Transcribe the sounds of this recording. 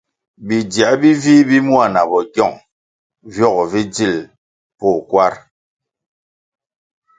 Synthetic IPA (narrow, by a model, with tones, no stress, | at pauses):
bi˨dja˨˦bi˦vi˦bi˦mwa˨na˨bɔ˨ɡjɔ̰˦˨ŋ | vjɔ˦˨ɣɔ˨vi˦d͡zi˦˨l | po˦˨kwa˦ɾ